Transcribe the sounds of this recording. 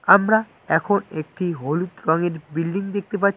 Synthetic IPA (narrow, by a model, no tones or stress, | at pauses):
amɾa | ɛkʰonek̚ʈiɦolut̪ɾɔŋeɾbilɖiŋd̪ek̚t̪epatː